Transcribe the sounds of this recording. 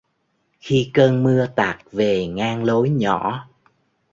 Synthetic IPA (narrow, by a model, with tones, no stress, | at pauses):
xi˧kəː˧nmɨ˧ət̪aː˨˩k̚ve˨˩ŋaː˧ŋlo˨˦jɲɔ̰˧˩˨